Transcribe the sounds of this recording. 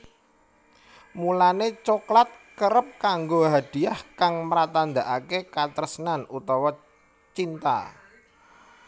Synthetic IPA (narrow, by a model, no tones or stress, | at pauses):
mulanet͡ʃoklat̪̚kəɾəp̚kaŋɡoɦad̪̥i̤ahkaŋməɾat̪and̪aʔakekat̪əɾəsənanut̪ɔwɔ | t͡ʃint̪a̰